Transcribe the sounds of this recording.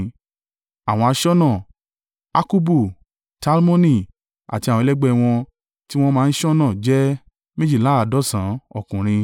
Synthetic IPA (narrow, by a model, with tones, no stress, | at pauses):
a˨w̃ɔ̃˧a˧ʃɔ˦nã˦˨ | a˦ku˦bu˦˨ | ta˦lmõ˦nĩ˧˨ | a̰˨ti˧a˨ɔ̃˧lɛ˦ɡ͡bɛ˧w̃ɔ̃˧ | ti˦w̃ɔ̃˧mãː˦˧n̩˦ʃɔ˦nãː˦˨d͡ʒɛ˦ | mẽ˦d͡ʒi˦˨la˨˦a˨dɔ˦sã˨˦ɔ˦˨kũ˨ɾ̃ĩ˧